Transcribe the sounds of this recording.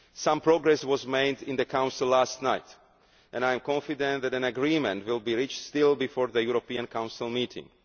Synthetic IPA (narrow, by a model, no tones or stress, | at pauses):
sãmpɹɔɡɹɛswɔzmeɪdɪ̃nðəkʰãʊ̃nsɪlːastnaɪt | ʔɛ̃najɛ̃mkɔ̃nfidɛ̃nt̪ðætæ̃naɡɹĩmɛ̃ntwɪlˠbiɹit͡ʃtstɪlˠbifɔɹðəjuɹopĩãnkʰãw̃nsɪlˠmitʰɪ̰̃ŋ